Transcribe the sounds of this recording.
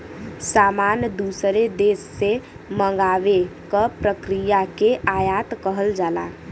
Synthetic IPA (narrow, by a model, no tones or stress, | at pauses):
samanjəd̪usɾed̪esːe | məŋɡaʋekəpɾəkɾijakeʔajat̪kəɦəld͡ʒala̰